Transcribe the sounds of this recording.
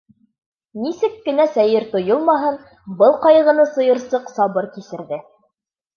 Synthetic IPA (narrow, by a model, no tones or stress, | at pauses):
nisɘkːɘ̆næsæjɘɾt̪ŏjolˠmɑɦɤn | bɤlˠqɑjɤ̆ʁɤ̆nɤsɤ̆jɤ̆ɾsɤqsɑβɤɾkisɘ̆ɾðɘ